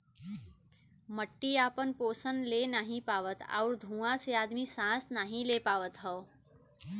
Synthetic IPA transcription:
məʈːiaːpənpoːsənlenaːɦĩpaːʋət̪a̰ʊɾd̪ʱũːãseaːd̪misãːsnaːɦĩlepaːʋət̪ɦəː

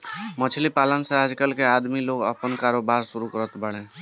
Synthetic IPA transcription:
mət͡ʃʰlipalənsead͡ʒkəlkead̪miloɡə̰pənkaɾobaɾsuɾukəɾət̪bəɽ̃ẽ

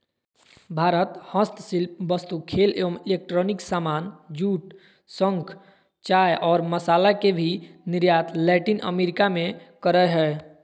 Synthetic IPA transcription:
bʱaːɾət̪hə̃st̪silp̚bəst̪ukʰeleʋəmilek̚ʈɾoniksamaːnd͡ʒuːʈ̚ | sə̃ŋkʰ | t͡ʃajʔɔːɾməsaːlakebʱiniɾjat̪ʰlɛʈinə̰meɾikamẽkəɾəɦɛː

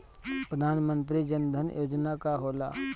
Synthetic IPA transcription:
pɾəd̪ʱaːnmə̃nt̪ɾid͡ʒənd̪ʱənjoːd͡ʒnakaɦoːla̰ː

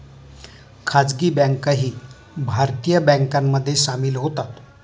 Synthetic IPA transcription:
kʰad͡zɡiːbɛ̃ŋkaɦiː | bʱaɾt̪ijəbɛ̃ŋkamːəd̪ʱːjeɕamiːlɦot̪at̪

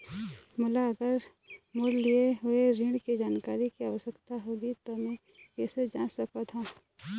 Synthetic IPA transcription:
mʊlaɐɡəɾ | mʊllieɦʊeɾiɽkid͡ʒaːnkaːɾikiaːʋəʃəkt̪aɦoːɡit̪omɛ̃ | kɛːsed͡ʒaːsɐkot̪ʰõː

